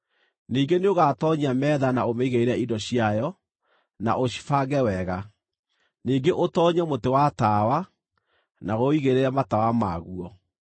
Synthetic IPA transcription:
niːŋɡeneoɣatɔɲamɛːðanaomeiɣeiɾɛindɔɕiajɔ | na̰ʔoɕi̥faɡɛwɛɣa | niːɡeʔotɔːɲamotewatawa | naɣoiɣeɾeɾamatawamaɣuɔ

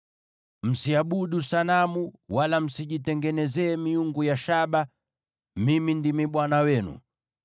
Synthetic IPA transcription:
m̩siaɓuɗusanamuwalam̩siʄitɛŋɡɛnɛzɛːmiuŋɡujaʃaɓa | mimindimiɓwanawɛnṵ

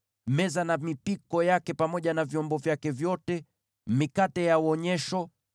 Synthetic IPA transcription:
mɛzanamipikɔjakɛpamɔʄanavjɔmbɔvjakɛvjɔtɛ | mikatɛjauɔɲɛʃɔ

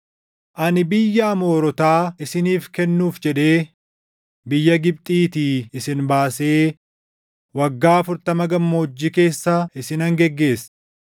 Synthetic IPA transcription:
ʔɐnɪbɪjːɐːmo̞ːɾɔt̪aːɪsɪniːfkɛnːuːfd͡ʒɛᶑe̞ː | bɪjːɐɡɪb̚t̪ʼiːt̪iːɪsɪnbaːse̞ː | wɐɡːaːɐfʊɾt̪ɐmɐɡɐmːoːd͡ʒːɪke̞ːsːaɪsɪnɐŋɡɛɡːe̞ːsː

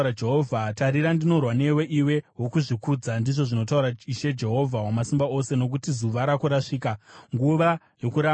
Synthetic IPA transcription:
ɾad͡ʒeɦovʱataɾiɾandino̞rwane̞we̞ʔiwe̞ɦwo̞kuʐikuːd͡zandiʐo̞ʐino̞tauɾaiʃe̞d͡ʒe̞ɦo̞vʱawamasimbao̞se̞no̞kutizuʋaɾakuɾaʂiːkaŋɡuʋa | jo̞kuɾa

